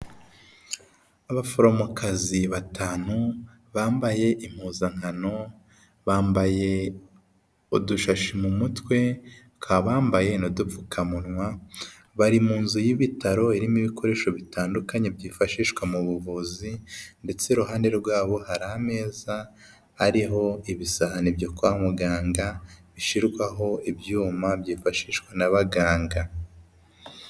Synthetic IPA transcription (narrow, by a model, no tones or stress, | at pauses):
aβafoɾo̞mokʰaziβatʰaːn̥u | βaːmbaje̞ʔim̥huzaŋ̥hano̞ | βaːmbaje̞ | uduʃaʃimumutwe̞ | kʰaβaːmbaje̞nodufu̥kʰamunŋwa | βaɾimuːnzujiβitaɾo̞iɾimiβikʰo̞ɾe̞ːʃo̞βitaːndukaɲe̞bjiːfaʃiːʃkwamuβuvuzinde̞t͡se̞ɾuɦaːndeɾɾɡwaːβo̞haɾaːme̞ːzaː | ɾiɦo̞iβisahanibjokuahmuɡaːŋɡaβiʃiɾɡwaɦo̞ibjuːmabjiːfaʃiːʃwanaβaɡaːŋɡa